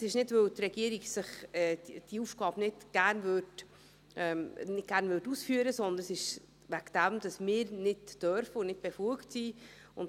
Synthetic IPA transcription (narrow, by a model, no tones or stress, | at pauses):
sɪʃnɪdvøt̪rɛɡ̥iəɾiɡsɪχɛd̥iufɡ̥ɑːb̥nɪtɡ̥æɾnvøt | ɛnɪtɡ̥æɾnʋɵtusfyːəɾəsɔnd̪ənsɪʃ | ʋæɡd̪̥æmd̥̪ɑsmɪːɾnɪtːœɾfəʊnnɪt̚b̥ɛfluəktsiː | ʊnt